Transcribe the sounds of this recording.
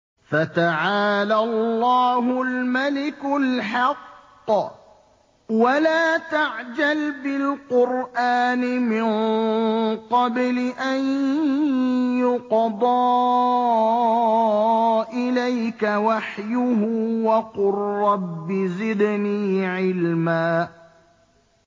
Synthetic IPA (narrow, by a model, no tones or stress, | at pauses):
fat̪aʕaːlalːɑːɦʊlmalɪkʊlħɑqː | walaːt̪aʕd͡ʒalbɪlqʊɾʔaːnɪmɪn | qɑblɪʔan | jʊqd̪ˤɑː | ʔɪlajkawaħjʊhuːwɑqʊrːɑbːɪzɪd̪niːʕɪlmaː